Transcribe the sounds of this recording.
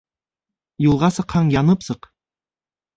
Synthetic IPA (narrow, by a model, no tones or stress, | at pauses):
julˠʁɑsɤ̆qhɑɴjɑnɤpsɤq